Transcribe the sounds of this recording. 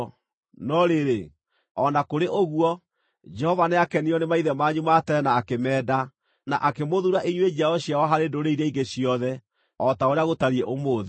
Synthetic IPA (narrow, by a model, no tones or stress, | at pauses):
nɔɾeɾe | ɔnakoɾeʔoɣuɔ | d͡ʒɛhɔvaneakɛniɔnemaiðɛmaɲumatɛɾɛnaːkemɛːda | na̰ʔakemoðuɾaʔiɲwed͡ʑaɔɕjawɔɦaɾendoɾeiɾɛiɡeɕjɔðɛ | ɔtaoɾeaɣotaɾiɛʔomoːðe